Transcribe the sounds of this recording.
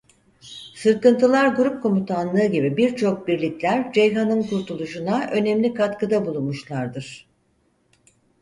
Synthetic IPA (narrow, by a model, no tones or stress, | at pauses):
sɯɾkɯnt̪ʰɯlˠaɾɡuɾup̚kʰo̞mut̪ʰanlˠɯːɟibibiɾt͡ʃʰo̞k̚biɾlʲiclʲæɾd͡ʒejɦanɯnkuɾt̪ʰulˠuʃunaʔø̞nɛmlʲikat̪kʰɯd̪abulˠunmuʃlˠaɾd̪ɯɾ̥